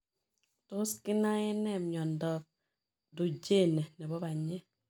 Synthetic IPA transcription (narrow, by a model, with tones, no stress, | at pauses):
to˦ski˦na˦jɛ˦nɛ˦˨mɲɔ˨n˨dɔ˦p̚ | do˨d͡ʒe˦˨nɛ˨nɛ˨bɔ˦ba˨ɲɛ˦